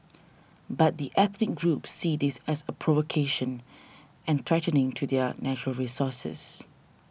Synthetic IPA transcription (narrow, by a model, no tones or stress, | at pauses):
bat̚d̪iʔɛθnɪk̚ɡɹupsidɪsɛsəpʰɹɔvokʰeʃə̃n | ɛ̃nt̪ʰɹɛtənɪ̃ŋtʰudɛnæt͡ʃəɹəlɹisɔsə̰s